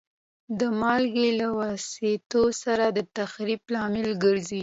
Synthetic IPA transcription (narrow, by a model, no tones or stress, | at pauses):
d̪əmɑlɡelawɑset̪osaɾad̪ət̪axɾiblɑmɪlɡəɾzi